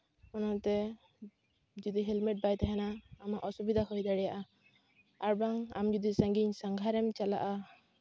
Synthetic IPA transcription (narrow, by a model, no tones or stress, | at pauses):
ɔnɔt̪ɛ | d͡ʒɔd̪iɦɛlmɛʈ̚bajt̪aɦɛnaːmaʔɔsubid̪ʱaɦɔjd̪aɽɛjaʔa | aɾbaŋa̰md͡ʒud̪isaŋɡiɲsaŋɡʱaɾɛmt͡ʃala̰ʔa